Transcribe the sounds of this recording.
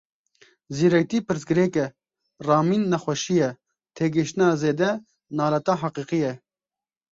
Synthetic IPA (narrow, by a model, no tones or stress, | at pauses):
ziːɾɛk̚t̪iːpɨɾsɡɨɾeːkɛ | rɑːmiːnːɛxʷɛʃijɛ | t̪ʰeːɡɨʃt̪ɨnɑːzeːd̪ɛ | nɑːlɛt̪ɑːɦɑqiːqijɛ